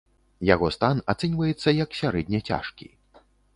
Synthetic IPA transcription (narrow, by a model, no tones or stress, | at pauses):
jaɣɔst̪anat̪sɛnʲvɐjɛt̪sːɐjɐksʲaɾɛdʲnʲɐt͡sʲa̰ʂkʲḭ